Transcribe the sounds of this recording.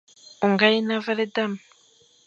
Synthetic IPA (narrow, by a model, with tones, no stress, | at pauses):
u˨ŋɡa˦ji˦na˦va˦ɾe˦da˦˨m